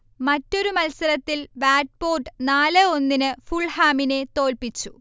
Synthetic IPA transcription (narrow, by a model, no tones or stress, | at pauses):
mɐtːo̞ɾumɐlsɐɾɐt̪ːilbaːʈ̚po̞ːɖɨnaːlɨo̞nːinɨfuɭhaːmine̞t̪o̞ːlpit͡ɕːu